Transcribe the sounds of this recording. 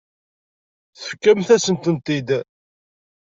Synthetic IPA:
θəfkːəmθæsənt̪ənt̪id̪

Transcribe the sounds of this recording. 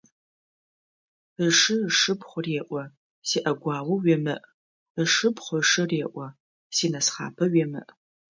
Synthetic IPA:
əʂɨʂɨbχʷʊreːʔʷɔ | siːʔɐɡʷɑːwɨɥɛmɨʔ | əʂɨpχʷʊʂɨreːʔʷɐ | siːnɐsχa̰ːpʰɐɥimɨ̰ʔ

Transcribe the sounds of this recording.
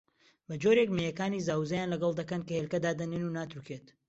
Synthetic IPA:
bɐd͡ʒoːɾekmejɐkaːnizaːwuzɐjaːnlɐɡɐlˠd̪ɐkɐnkɐhelkɐd̪aːd̪ɐnenunaːt̪ɾukʰeːt̪

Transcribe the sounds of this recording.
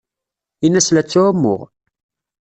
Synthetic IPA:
inæslæt͡sːuæmːʊ̰ʁ

